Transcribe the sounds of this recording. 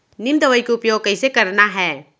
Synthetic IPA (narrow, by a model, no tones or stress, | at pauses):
nɪmd̪əʋəikeʊpjoːɡ̚kɐisekɐɾnaɦɛː